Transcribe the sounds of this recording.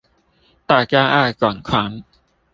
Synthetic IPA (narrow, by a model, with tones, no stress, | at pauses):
t̪aː˨˩kaː˧ʔaː˧˩kɔ˨˩nkʰwaː˨˦n